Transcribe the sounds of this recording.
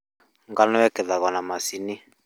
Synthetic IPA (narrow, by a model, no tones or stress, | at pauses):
ŋɡanɔwɛkɛðakɔnamasini